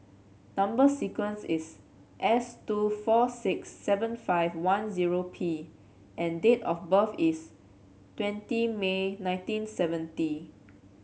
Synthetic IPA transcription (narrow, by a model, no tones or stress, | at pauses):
nãmbəsikwə̃nsis | ʔɛstufɔsɪksːɛvə̃nfaɪvwãnziɹopʰi | ʔɛ̃ndetɔfbəfis | twɛ̃ntimenãɪ̃ntĩnsɛvə̃nti